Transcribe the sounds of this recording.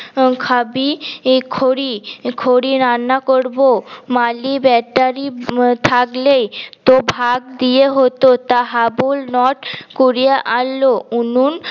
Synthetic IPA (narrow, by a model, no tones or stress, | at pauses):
kʰabikʰoɾikʰoɾiɾanːakoɾbomalibɛʈaɾit̪ʰaklejt̪obʱaɡd̪ieɦot̪ot̪aɦabulnɔʈkoɾiaʔalːounun